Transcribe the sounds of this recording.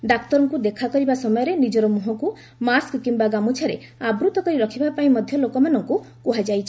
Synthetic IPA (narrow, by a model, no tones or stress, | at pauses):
ɖak̚t̪ɔɾɔŋkud̪ekʰakɔɾibasɔmɔjɔɾenid͡ʒɔɾɔmuɦɔku | maskkimbaɡamut͡ʃʰaɾe | abɾut̪ɔkɔɾiɾɔkʰibapaĩmɔd̪ʱjɔlokɔmanɔŋku | kuɦad͡ʒajt͡ʃʰi